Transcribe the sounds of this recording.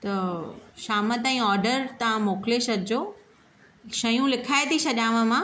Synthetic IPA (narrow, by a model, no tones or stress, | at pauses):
t̪ɐʃaːmət̪ɛ̃ɔːɾɖəɾt̪ɐʋãmoːklesɐd̪ʱd͡ʑoː | ʃɐjũlɪkʰaːet̪ʰisɐʄãːʋə̃mã